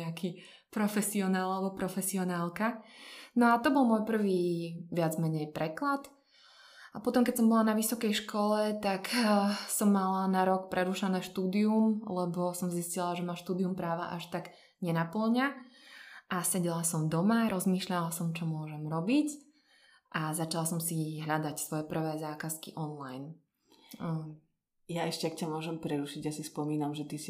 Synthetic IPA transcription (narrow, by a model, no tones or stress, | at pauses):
ɛakʰiː | pɾɔfɛsiɔnaːlalɛbɔpɾɔfɛsiɔnaːlˠkanɔat̪ɔbɔlˠmɔjpr̩ʋiːʋɪad͡zmɛɲɛjpɾɛklat̪ | apɔt̪ɔmkɛc̚sɔmbɔlanaʋisɔkɛjʃkɔlɛt̪aksɔmːalanaɾɔkpɾʔɛɾuːʃanɛːʃt̪uːd̪iumlɛbɔsɔmziscilaʒɛmaʃt̪uːd̪iumpɾaːʋa̰ʔaʃt̪aɡ | ɲɛnapl̩ɲa | asɛɟɛlasɔmd̪ɔmaɾɔzmiːʃʎalasɔmt͡ʃɔmʊɔʒɛmɾɔbic | ʔazat͡ʃalasɔmsiɦʎad̪acsʋɔjɛpr̩ʋɛːzaːkaskiʔɔnlajn | jaɛʃcɛakcamʊɔʒɛmpɾɛɾuʃiɟjasispɔmiːnamʒɛt̪isi